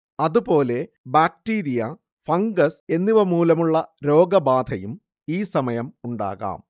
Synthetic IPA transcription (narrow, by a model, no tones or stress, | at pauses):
ɐðupo̞ːle̞ | baːkʈiːɾijɐ | fɐŋɡɐse̞nːiʋɐmuːlɐmuɭːɐɾo̞ːɡɐbaːd̪ʱɐjum | iːsɐmɐjɐmuɳɖa̰ːɣa̰ːm